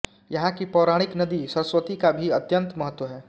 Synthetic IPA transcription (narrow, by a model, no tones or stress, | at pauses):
jɐɦãkipɔːɾaːɽ̃ɪknɐd̪isɐɾəswət̪ikabʱiɐt̪jə̃nt̪mɐɦət̪ːwəɦɛː